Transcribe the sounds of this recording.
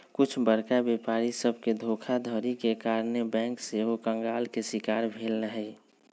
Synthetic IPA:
kʊt͡ʃʰbəɾkabepaːɾisəbʱked̪ʱoːkʰad̪ʱəːɾikekaːɾnebɛ̃ːŋkseɦokə̃ŋɡaːlkesɪkaːɾbʱeːlnəɦɛ

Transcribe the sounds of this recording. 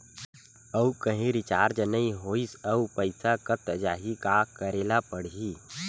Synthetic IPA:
əwkəɦĩɾɪt͡ʃaːɾd͡ʒnəĩɦoːisəwpəjsakət̪d͡ʒaːɦikakəɾelapəɽ̤ɦi

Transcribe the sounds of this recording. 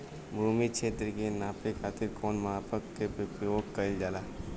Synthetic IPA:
buːmikʃʰeːt̪ɾkenaːpekʰaːt̪ɪɾkoːnmɐɦaːpəkkepepəoːkːəɪld͡ʒaːlaː

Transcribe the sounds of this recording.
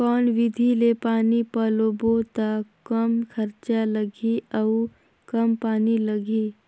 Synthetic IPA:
kɔːnʋɪd̪ʱilepaːnipəlobot̪akəmkʰɐɾt͡ʃaləɡʱiɐu | kɐmpaːniləɡʱi

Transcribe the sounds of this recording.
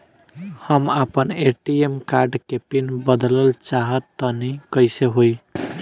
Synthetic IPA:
həmapəneʈiemkaɾɖkepinbəd̪ləlt͡ʃaɦət̪ːənəkəjseɦoj

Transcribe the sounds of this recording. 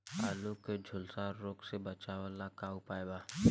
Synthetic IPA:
a̰ːluked͡ʒʱʊlsaɾoːksebɐt͡ʃaʋalakaupaːebaː

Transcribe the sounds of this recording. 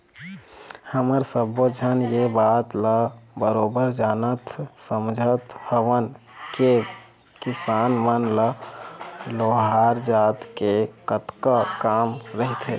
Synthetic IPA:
həməɾsəbod͡ʒʱənjebat̪ləbəɾoːbəɾd͡ʒaːnət̪səmd͡ʒʱət̪həʋən | ke | kisanmənlə | loɦaɾd͡ʒaːt̪kekət̪kəkamɾəɦit̪ɦe

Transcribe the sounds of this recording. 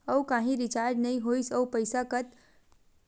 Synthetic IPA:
əukãɦĩɾit͡ʃaɾd͡ʒnəĩɦojsəpəjsakət̪

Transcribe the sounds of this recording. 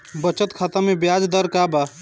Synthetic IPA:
bət͡ʃət̪kʰaːt̪amẽbjaːd͡ʒd̪əɾkaːba

